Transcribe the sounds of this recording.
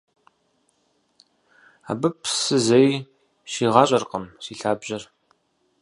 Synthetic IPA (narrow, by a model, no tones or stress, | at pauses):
a̰ːbɨpʰsɨzej | ʃiːʁɑːɕʼɐrqəmsiːɬaːbʑɐr